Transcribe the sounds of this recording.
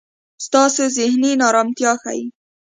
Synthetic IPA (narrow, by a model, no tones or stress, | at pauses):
st̪ɑsozɪhninɑɾɑmt̪jɑxa̰ji